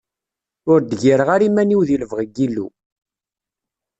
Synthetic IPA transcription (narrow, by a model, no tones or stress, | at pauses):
ʊɾd̪ʝiɾəʁaɾimæniwðiləvʁəɡːilːṵ